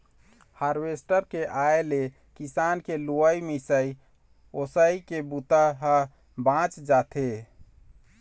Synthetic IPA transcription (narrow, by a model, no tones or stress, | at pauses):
haɾʋesʈəɾkeʔaele | kisankeluəjmisəi | osəikebut̪aɦə | bãt͡ʃd͡ʒat̪ʰe